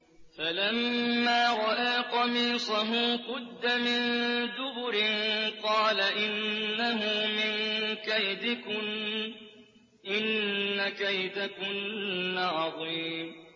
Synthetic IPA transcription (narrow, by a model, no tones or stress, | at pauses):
falamːaːɾˤɑʔaːqɑmiːsˤaɦʊːqʊd̪ːamɪnd̪ʊbʊɾɪnqɑːlaʔɪnːaɦʊmɪnkajd̪ɪkʊ | ʔɪnːakajd̪akʊnːaʕɑðˤiːm